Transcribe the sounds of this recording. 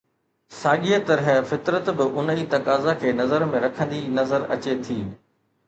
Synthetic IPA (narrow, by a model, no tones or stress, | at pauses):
saːɠiat̪ɐɾɦɛfɪt̪ɾət̪bɪʔʊnit̪ɐkaːzakʰeːnɐzəɾmẽɾɐkʰə̃nd̪inɐzəɾɐ̰t͡ɕet̪ʰiː